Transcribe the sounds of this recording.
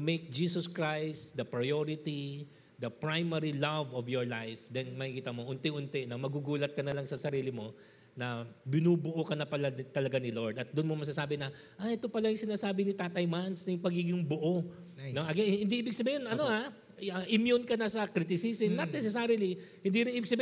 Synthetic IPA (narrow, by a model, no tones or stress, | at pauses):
mejk̚d͡ʒiːsoskɹajst̪d̪ɐpɹɐjoɹɪt̪i | d̪ɐpɹajmɛɹilɐvɔvjɔɹlajfd̪ɛnmɐhikiːt̪ɐmoʔʊnt̪ɪʔʊnt̪ɛnɐmɐɡuɡuːlɐt̪̚kɐnɐlɐŋsɐsɐɾiːlɪmo̞ | nɐbɪnuːbʊʔokɐnɐpɐlɐt̪ɐlɐɡanɪlo̞ɹd̪ɐt̪̚d̪ʊnmomɐɡs̬asaːbɪnɐʔajʔɛt̪o̞pɐlajʊŋsɪnaːsaːbɪnɪt̪aːt̪ɐjmansnɐjʊŋpɐɡiɡɪŋbʊʔo̞ | noʔɐɡɛnhɪnd̪iʔiːbɪɡ̚sɐbiːhɪnʔɐno̞a | ɐʔɪmjonkɐnɐsɐkɾɪt̪ɪsisɪnːɐt̪̚nɛsɛsaɾɪlihɪ̃nd̪iɾɪniːbɪɡsɐbi